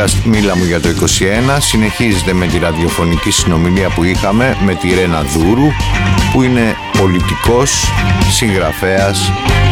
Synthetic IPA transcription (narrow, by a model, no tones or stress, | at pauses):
ɐsmilɐmuʝɐt̪o̞iko̞sie̞nɐsine̞çize̞t̪e̞me̞t̪iɾɐðio̞fo̞nicisino̞miliɐpuixɐme̞me̞t̪iɾe̞nɐðuɾupuine̞ | po̞lit̪iko̞sːiŋɣɾɐfe̞ɐs